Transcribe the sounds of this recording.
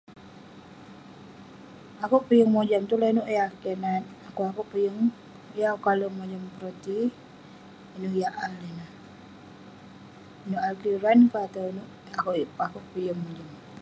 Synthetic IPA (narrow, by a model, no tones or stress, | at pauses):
akuʔpəjəŋmod͡ʒamt̪ulanuʔjakenat̪̚akuakuʔpəjəŋ | jakaləmod͡ʒampɾot̪i | inujaʔalenah | inuʔalkiɾankat̪anuʔ | akuʔakuʔpəjəŋmod͡ʒaŋ